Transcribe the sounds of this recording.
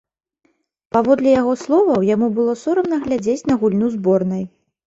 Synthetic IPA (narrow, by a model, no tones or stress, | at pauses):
pavɔd̪lʲijaɣɔslˠɔvɐwjamubɨlˠɔsɔɾɐmnɐɣlʲad͡zʲet͡sʲnɐɣulʲnuzbɔrnɐj